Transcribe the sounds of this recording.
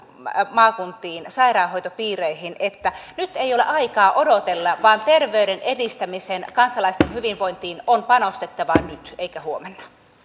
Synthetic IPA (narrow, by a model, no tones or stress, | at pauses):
mɑːkunt̪ːˑiːnsɑirɑːɦojt̪opiːreihinet̪ːænyt̪ːeijolḛʔɑikɑːʔodot̪elːɑʋɑːnt̪erʋeyɾenedist̪æmisenkɑnsɑlɑist̪enhyʋinʋoint̪iːnonpɑnost̪et̪ːɑʋɑnyt̪eikæhuomenːɑ̥